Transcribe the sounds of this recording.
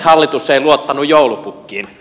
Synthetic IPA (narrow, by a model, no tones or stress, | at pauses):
hɑlːit̪usːeˑiluot̪ːɑnujjoˑulupukːiːn